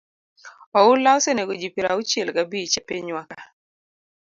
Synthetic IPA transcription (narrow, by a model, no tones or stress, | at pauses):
ɔʊlaʊseneɡod͡ʒipiɾaut͡ʃjelɡabit͡ʃepeɲwaka